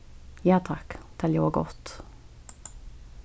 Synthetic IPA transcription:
jɑːt̪ʰɑkt̪ʰɛljoɡɔt̪

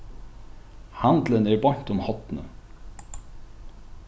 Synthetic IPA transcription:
hɑnd̪lənæːɾbɔɲt̪ʊmhɔt̪nə̰

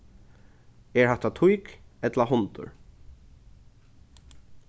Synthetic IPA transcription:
ɛɹhaht̪at̪ʰujkɛt̪laɦʊnt̪ʊ̰ɹ

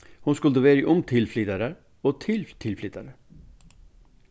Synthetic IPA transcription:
hʊnskʉld̪əʋeːɾɪʔʊmt̪ʰɪlflɪt̪ɑɾə | oːt̪ʰɪlt̪ʰɪlflɪt̪ɑɾə

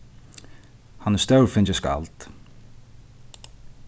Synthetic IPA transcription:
hanɛst̪œwɾfɪnt͡ʃɪska̰lt̪

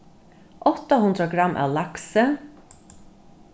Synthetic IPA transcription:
ʔɔt̪əhʉnd̪ɾəɡɾɑmʔæ̰ːlɑksə

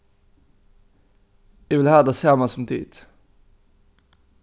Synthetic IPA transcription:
ɛʋɪlhæːd̪əseːʁmɑsɔmt̪ʰḭːt̪

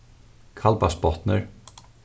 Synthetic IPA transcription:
kʰɑlbɑspɔt̪nə̰ɹ

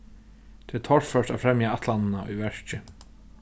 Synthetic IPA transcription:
t̪ʰɛɛt̪ʰɔrfœʂt̪afɾɛmjaat̪ʰlanɪnaṵjvɛʂt͡ɕɪ

